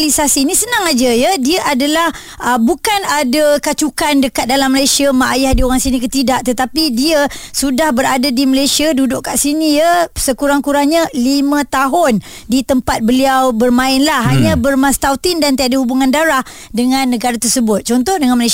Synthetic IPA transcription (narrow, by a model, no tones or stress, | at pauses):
lisasiːnisənaŋad͡ʒəjədiəʔadalah | ʔəbukanadakat͡ʃukandəkat̪̚dalamːəlajsiamaʔjahdioɾaŋsinĩkət̪idaʔt̪ət̪apidiəsudahbəɾadadiməlajsiadudʊʔkaʔsinijəsəkuɾaŋkuɾahɲəlimə̃t̪aɦʊn | dit̪əmpat̪̚bəliawbərmãɪnlahɦaɲãbərmãst̪awt̪ɪndant̪iaʔdəhubuŋandaɾah | dəŋãnːəɡaɾat̪ərsəbʊt̪̚t͡ʃɔnt̪ɔhdəŋanməlajs